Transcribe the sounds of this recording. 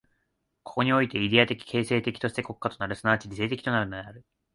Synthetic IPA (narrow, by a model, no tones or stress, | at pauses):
kʰo̞̥ko̞ɲ̟io̞it̪e̞id̪ʲeat̪e̞kʲi̥kʰe̞ːse̞ːt̪e̞kʲi̥t̪o̞ɕi̥t̪e̞ko̞kɯ̥ːat̪o̞naɾɯ̟sɨnaːt͡ɕiɾʲise̞ːt̪ekʲi̥t̪o̞naɾɯ̟no̞d̪e̞aɾɯ̟